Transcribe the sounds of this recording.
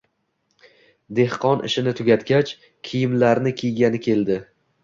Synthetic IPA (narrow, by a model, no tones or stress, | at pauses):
d̪e̞hqʰɒnʔɪ̰ʃɪnɪt̪ʰʊɡʲat̪ɡʲat͡ʃ | kʲʰijɪmlaɾnɪkʲʰijɡʲanɪkʲʰe̞ld̪ɪ